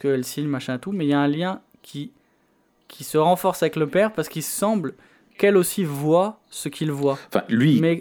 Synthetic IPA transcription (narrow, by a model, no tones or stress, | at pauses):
kəɛlsiɲmaʃɛ̃t̪umɛiljaɛ̃ljɛ̃ | kʲʰi | kʲʰisəʁɑ̃fɔʁsavɛkləpɛʁpaʁsə̥kilsɑ̃bl | kɛlosivwa | səkʰilvwaɑ̃fɛ̰̃lɥimɛ